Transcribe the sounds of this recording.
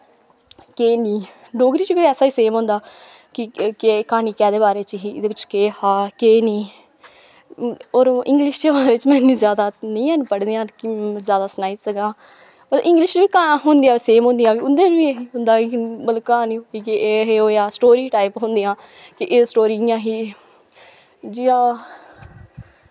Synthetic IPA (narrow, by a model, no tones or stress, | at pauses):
keːniː | ɖoːɡɾiːt͡ʃʋiːɛːsaːiːseːmɦʊ̃nd̪aː | kɪkeːkaːniːkɛːd̪eːbaːɾeːt͡ʃɦiːɪ̰d̪eːʋɪt͡ʃkeːhaːkeːnĩː | oːɾɪ̰̃ŋɡlɪʃd̪eːbaːɾeːt͡ʃmɛ̃ːnĩːzjaːd̪aːnĩːaːnpəɽd̪eːãːkzjaːd̪aːsnaːiːsəɡãː | bət̪ʔɪ̃ŋɡlɪʃʋiːkaːɦʊnd̪ijãːseːmɦʊ̃nd̪ijãːkɪʊnd̪eːʋiːeɦiːɦʊ̃nd̪aːibəlkaːnĩːokiːkɪeːɦeːoːjaːsʈoːɾiːʈaːɪpɦʊ̃nd̪iːãː | kɪʔɪsʈoːɾiːãːɦiː | d͡ʒiːãː